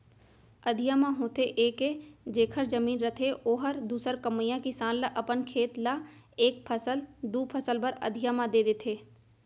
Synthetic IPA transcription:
əd̪ʱijamãɦoːt̪eʔeːked͡ʒeːkʰəɾd͡ʒəmiːnɾət̪ʰeʔoːɦəɾd̪uːsəɾkəmijãkisãːnlaʔɐpənkʰeːt̪laeːk̚pʰəsəld̪uːpʰəsəlbəɾə̰d̪ʱijamãd̪eːd̪eːt̪ʰeː

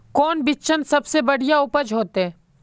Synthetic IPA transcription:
kɔːnbɪt͡ʃənsɐbsebɐɽ̤ijaʊpəd͡ʒɦoːt̪eɦɛː

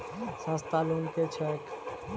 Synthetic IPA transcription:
sə̃st̪ʰalunket͡ʃʰək

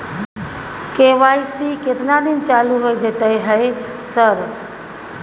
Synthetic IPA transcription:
keʋaːisiket̪nad̪ɪnt͡ʃaːluɦoed͡ʒet̪əeɦəe | səɾ

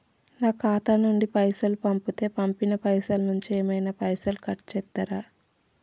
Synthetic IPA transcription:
naːkaːt̪aːnuɳɖipɐjsɐlupɐmput̪e̞ːpɐmpinɐpɐjsɐlnuɲt͡ʃiɛːmɐjnaːpɐjsɐlukɐʈt͡ʃɛt̪ːaɾaː

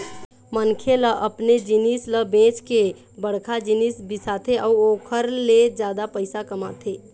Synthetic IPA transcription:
mənkʰeləʔəpned͡ʒinisləbẽːt͡ʃke | bəɽ̤kʰad͡ʒinisbɪsaːt̪ʰeʔɔːoːkʰəɾled͡ʒjaːd̪apəɪsakəma̰ːt̪ʰeː

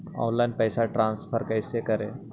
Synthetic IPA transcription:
ɔ̰̃ːnlajnpəjsaʈɾãːnspʰəɾkɐjsekɐɾḛ

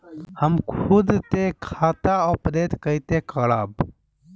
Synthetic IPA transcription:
hɐmkʰud̪t̪ekʰaːt̪aopɾeːt̪kəit̪eːkɐɽa̰ːb

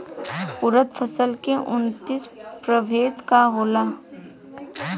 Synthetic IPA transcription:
ʊɾət̪fʰəsəlkeʔʊnt̪ispɾəʋʱeːt̪kaɦoːlaː

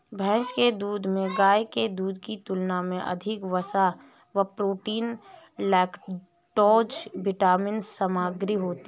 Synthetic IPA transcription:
bʱɛ̃ːsked̪uːd̪ʱmẽɡaːjked̪uːd̪ʱkit̪ʊlnamẽʔɐ̰d̪ʱɪkʋəsa | ʋəpɾoːʈiːn | lɛːk | ʈɔːd͡ʒʋɪʈaːmɪnsəmaːɡɾiɦoːt̪i

